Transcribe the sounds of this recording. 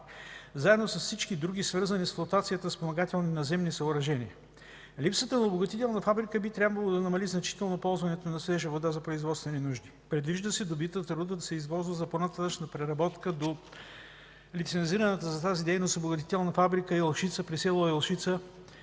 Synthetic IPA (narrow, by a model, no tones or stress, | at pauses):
zaɛd̪nosəsfsit͡ʃkid̪ɾuɡisvəɾzɐnisflˠot̪at̪sijət̪əspomɐɡat̪ɛlˠninɐzɛmnisɐʊɾɐʒɛniə | lipsət̪ənɐoboɡɐt̪it̪ɛlˠnɐfabɾikəbit̪ɾʲabvəlˠod̪ɐnɐmɐliznɐt͡ʃi̥t̪ɛlˠnopɔlˠzvɐnɛt̪onɐslɛʒəvod̪azɐpɾoizvɔt̪st̪vɛninuʒd̪i | pɾɛd̪viʒd̪əsɛd̪obit̪ət̪əɾud̪əd̪ɐsɛizvɔlˠzvəzɐponɐt̪at̪ət͡ʃnəpɾɛɾɐbɔt̪kəd̪o | lit̪sɛnziɾɐnət̪əzɐt̪azid̪ɛjnost̪oboɡɐt̪̬it̪ɛlˠnɐfabɾikəɛlˠʃit̪səpɾisɛlˠoɛlˠʃit̪sə